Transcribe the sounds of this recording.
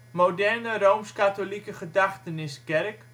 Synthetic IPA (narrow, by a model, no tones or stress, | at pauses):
modɛrnərowmskatolikəχədaχtənɪskɛrk